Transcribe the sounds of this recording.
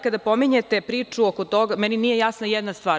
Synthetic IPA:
kad̪apo̞miɲet̪epɾiːt͡ʂuokot̪o̞ɡamɛninije̞jasnajɛd̪nast̪ʋaːɾ

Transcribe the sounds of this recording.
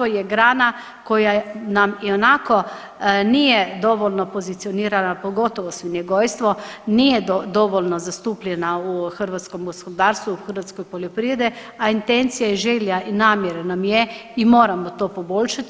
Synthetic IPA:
ojɛɡɾaːna | kojanamionako | niːjɛd̪oʋolʲnɔpozit̪sijɔniːɾanapoɡot̪ɔʋɔsʋinjɛɡojst̪ʋɔniːjɛd̪oʋolʲnɔzast̪uːplʲɛnauxərɾʋat̪skomɡoskod̪aːɾst̪ʋuuxəɾʋat̪skɔjpoljepɾied̪ɛ | aint̪ent̪sijaɛʒeːljaʔinaːmjɛɾɛnamjɛimoːɾamɔt̪oːpobolʲʃat̪

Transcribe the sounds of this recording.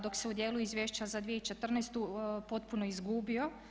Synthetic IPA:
d̪o̞kseud̪je̞ːluizʋʲjeːʃt͡ʃazad̪ʋijeit͡ʃet̪r̩nɛst̪upo̞t̪punoizɡuːbio

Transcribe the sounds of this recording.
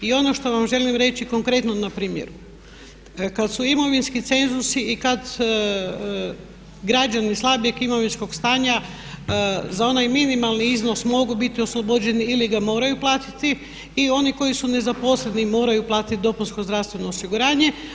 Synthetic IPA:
io̞no̞ʃt̪o̞ʋamʒe̞limɾe̞t͡ʃiko̞ŋkɾe̞t̪nonapɾiːmjḛɾu | kad̪suimo̞ʋinskit̪se̞nzusiikad̪ | ɡɾad͡ʒanislˠabiekimo̞ʋinsko̞ɡst̪aːɲa | zao̞najminimalˠniizno̞smo̞ɡubit̪io̞slˠobod͡ʒe̞niiliɡamo̞ːɾajuplˠaːt̪i̥t̪iː | o̞niko̞jisune̞zapo̞slenimo̞ːɾajuplˠaːt̪it̪̚d̪o̞punsko̞zd̪ɾaʋst̪ʋe̞no̞ːsiɡuɾaːɲe̞

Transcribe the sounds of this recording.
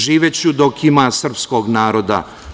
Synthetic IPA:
ʒiːʋet͡ɕud̪okʰimaːsr̩psko̞ɡnaːɾo̞d̪a̰

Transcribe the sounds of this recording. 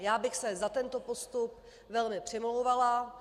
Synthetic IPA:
jaːbɪxsɛzat̪ɛnt̪o̞po̞st̪up̚ | vɛlmɪpr̝̥ɪmlowvala

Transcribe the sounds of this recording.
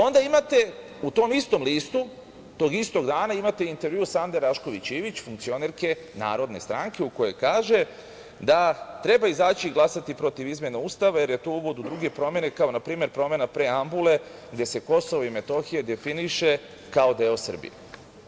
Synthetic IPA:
o̞nd̪aimat̪e̞ | ut̪o̞ːmist̪o̞mliːst̪u | t̪o̞ːɡist̪o̞ɡd̪aːnaimat̪e̞int̪e̞ɾʋjusand̪e̞ɾaʃko̞ʋit͡ɕiːʋit͡ɕfuŋkt̪sio̞ne̞ɾke̞ | na̰ːɾo̞d̪ne̞st̪ɾaŋke̞uko̞je̞kaːʒe̞ | d̪at̪ɾe̞baizaːt͡ɕiɡlˠasat̪ipɾo̞t̪iʋizmje̞nauːst̪aʋaje̞ɾje̞t̪ouʋo̞d̪ud̪ɾuɡe̞pɾo̞mje̞ne̞kao̞napɾiːme̞ɾpɾo̞me̞napɾe̞ambule̞ | ɡd̪e̞se̞ko̞so̞ʋoime̞t̪o̞xije̞d̪e̞finiʃe̞ | kao̞d̪e̞o̞sr̩bḭje

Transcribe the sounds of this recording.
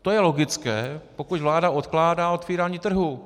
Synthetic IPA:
t̪ojɛlo̞ɡɪt͡skɛːpo̞kucvlaːdaot̪klaːdaːot̪viːɾaːɲiːt̪r̩ɦu

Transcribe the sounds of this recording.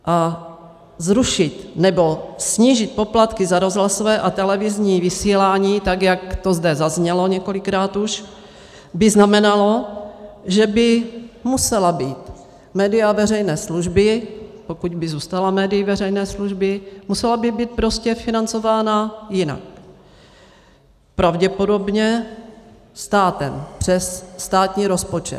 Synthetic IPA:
ʔa | zɾuʃɪt̪nɛbo̞sɲiːʒɪt̪̚po̞plat̪kɪzaɾo̞zɦlasovɛːʔat̪ɛlɛvɪzɲiːvɪsiːlaːɲiːt̪aɡjakt̪ozdɛzazɲɛlo̞ɲɛko̞lɪkɾaːt̪uʃ | bɪznamɛnalo̞ | ʒɛbɪmusɛlabiːt̪ | mɛːdɪjavɛrɛjnɛːsluʒbɪpo̞kuɟbɪzuːst̪alamɛːdɪjɪvɛrɛjnɛːsluʒbɪmusɛlabibiːt̪̚pɾo̞scɛfɪnant͡so̞vaːnajɪna̰k̚ | pɾavɟɛpo̞do̞bɲɛ | st̪aːt̪ɛmpr̝̥ɛsːt̪aːt̪ɲiːɾo̞spo̞t͡ʃɛ̰t̪

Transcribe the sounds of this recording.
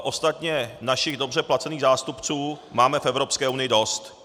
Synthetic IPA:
ʔo̞st̪at̪ɲɛnaʃɪɣdo̞br̝ɛplat͡sɛniːɣzaːst̪upt͡suːmaːmɛfɛvɾo̞pskɛːʔunɪjɪdo̞st̪

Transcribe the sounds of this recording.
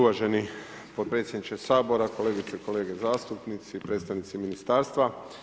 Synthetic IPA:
uʋaʒe̞ni | pot̪̚pɾe̞t̪sʲjed̪nit͡ʃkesaːbo̞ɾako̞leːɡit̪seko̞le̞ːɡe̞zaːst̪upnit̪sipɾet̪t̪aʋnit̪siminist̪aːɾst̪ʋa

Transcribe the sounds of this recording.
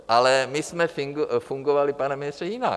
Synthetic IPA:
ʔalɛmɪsmɛfɪŋɡfuŋɡovalɪpanɛmɪnɪst̪rɛjɪna̰

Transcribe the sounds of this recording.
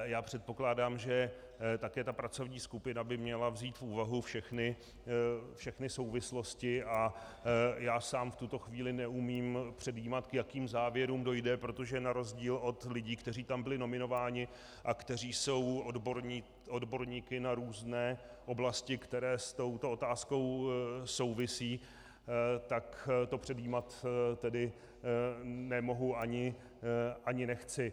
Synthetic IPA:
jaːpr̝̥ɛt̪̚po̞klaːdaːmʒɛ | t̪akɛːt̪apɾat͡so̞vɲiːskupɪnabɪmɲɛlavziːt̪fuːvaɦufʃɛxnɪ | fʃɛxnɪso̞wvɪslo̞scɪʔa | jaːsaːmft̪ut̪o̞xviːlɪnɛʔumiːmpr̝̥ɛdjiːmat̪kjakiːmzaːvjɛɾuːmdo̞jdɛpɾo̞t̪o̞ʒɛnaɾo̞zɟiːlo̞t̪lɪɟiːkt̪ɛriːt̪ambɪlɪno̞mɪno̞vaːɲɪ | ʔakt̪ɛr̝iːso̞wodboɾɲiː | odbo̞ɾɲiːkɪnaɾuːznɛː | ʔo̞blascɪkt̪ɛɾɛːst̪o̞wt̪o̞o̞t̪aːsko̞wso̞wvɪsiː | t̪akt̪o̞pr̥ɛdiːmat̪t̪ɛdɪ | nɛmo̞ɦuʔaɲɪ | ʔaɲɪnɛxt͡sɪ

